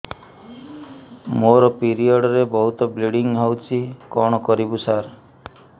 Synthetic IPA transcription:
moɾɔpiɾiɔɖɔɾebɔɦut̪ɔbliɽiŋɡɦawt͡ʃʰikɔɽ̃ɔkɔɾibusaɾ

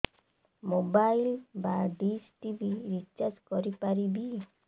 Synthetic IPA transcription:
mobajlbaɖisʈibiɾit͡ʃad͡ʒkɔɾipaɾibi

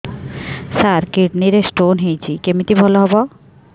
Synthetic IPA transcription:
saɾkiʈniɾesʈonɦejt͡ɕʰikemit̪ibʱɔloɦɔbɔ

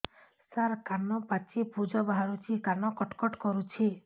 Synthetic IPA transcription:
saɾkanɔpat͡ʃipud͡ʒɔbaɦaɾut͡ʃʰikanɔkɔʈkɔʈkɔɾut͡ʃʰi

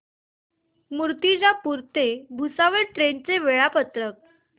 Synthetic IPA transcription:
muɾt̪id͡ʑapuɾt̪ebʱusaʋəɭʈɾent͡seʋeɭapət̪ɾək̚

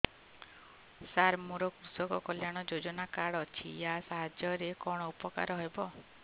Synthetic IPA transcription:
saɾmuɾɔkɾusɔkɔkɔljaɽ̃ɔd͡ʒod͡ʒɔnakaɽɔt͡ʃʰḭasaɦad͡ʒjɔɾekɔɽ̃ɔupɔka̰ɾɔɦebɔ

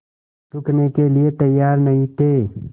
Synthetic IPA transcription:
t̪ʊknekeliet̪ɐjːaːɾnɐĩt̪ʰeː

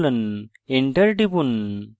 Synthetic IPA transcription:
lɐn | eɳʈɐɾʈipun

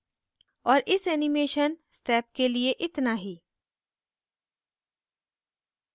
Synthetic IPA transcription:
ɔːɾʔɪsɛːnɪmeːʃənsʈɛːp̚kelieʔɪt̪naɦiː

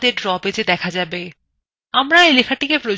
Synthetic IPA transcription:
d̪eɖɾɔped͡ʑed̪ɛkʰad͡ʑabe | amɾaelekʰaʈikepɾo

